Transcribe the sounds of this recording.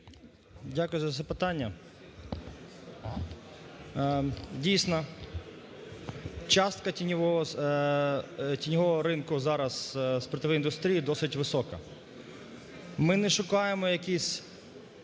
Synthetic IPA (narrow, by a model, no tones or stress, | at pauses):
dʲakʊjʊzɐt̪sɛpɪt̪ɑnʲːɐ | dʲijsʲnɔ | t͡ʃɑst̪kɐinʲʋɔ | tʲinʲɔɦɔɦɔɾɪnkʊzɑɾɐzspɾɔt̪ɪʋɛjind̪ʊst̪ɾʲijid̪ɔsɪtʲʋɪsɔkɐ | mɪnɛʃʊkɑjemɔjɐkʲisʲ